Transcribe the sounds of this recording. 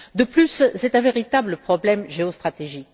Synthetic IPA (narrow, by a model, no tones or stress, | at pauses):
d̪əplysːɛt̪ɛ̃veʁit̪abləpχɔblɛmʒeɔst̪χat̪eʒik